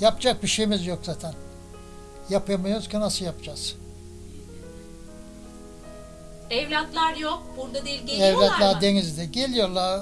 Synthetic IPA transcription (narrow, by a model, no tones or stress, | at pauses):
japd͡ʒak̚biʃejmizjo̞kz̥aːt̪ʰæn | japʰɯjamajoɾuz̥kʲʰinasɯjapd͡ʒaz̥ | ɛvlʲat̪lˠaɾjok̚buɾd̪ad̪ilʲɟeɛvlʲat̪lʲˠaɾd̪enizd̪ɛɟelʲijoɾlˠaɾ